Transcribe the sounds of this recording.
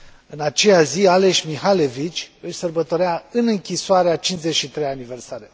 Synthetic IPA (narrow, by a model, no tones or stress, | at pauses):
ɨnat͡ʃe̞jaziale̞ʃʲmiɦalevit͡ʃʲɨʃʲsərbət̪o̞ɾeaɨnɨŋkʲisoaɾeat͡ʃinzet͡ʃʃit̪ɾejanive̞rsaɾe̞